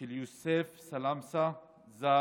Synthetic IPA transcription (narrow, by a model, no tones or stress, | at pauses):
iljusefsɐlamsa | za